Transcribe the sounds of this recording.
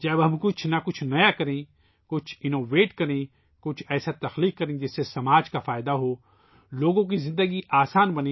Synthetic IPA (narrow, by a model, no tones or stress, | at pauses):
d͡ʒɐbɦɐmkʊt͡ʃʰnɐkʊt͡ʃʰnɐjakɐɾẽ | kʊt͡ʃʰɪnoːʋeːʈkɐɾẽ | kʊt͡ʃʰɛːsat̪ɐxliːkːɐɾẽd͡ʒɪsːesɐmaːd͡ʒkafaːɪd̪aɦoː | loːɡõk̬izɪ̃nd̪əɡiʔaːsaːnbɐnẽ